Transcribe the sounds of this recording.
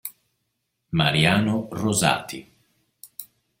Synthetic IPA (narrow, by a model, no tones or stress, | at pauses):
maɾiaːnoroza̰ːt̪ʰi